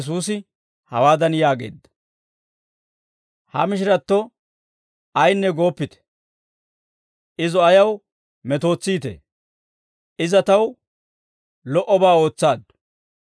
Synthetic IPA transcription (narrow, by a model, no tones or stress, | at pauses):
s̬uːsɪ | hɐwaːd̪ɐnjaːɡḛːd̪ːɐ̥ | hɐ̰mɪʃ̬ɪɾɐt̪ːɔ | ɐjnːɛɡo̞ːpːɪt̪ɛ̥ | ʔɪzɔɐjɐw | mɛt̪o̞ːt͡sːiːt̪ḛ | ʔɪzɐt̪ɐw | lɔʔɔbaːo̞ːt͡sːaːd̪